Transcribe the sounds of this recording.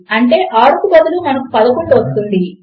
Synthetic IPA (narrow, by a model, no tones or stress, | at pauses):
ɐɳʈe̞ːʔaːɽukubɐd̪ulunɐnɐku̥pɐd̪ɐkuɳɖuʋɐst̪und̪i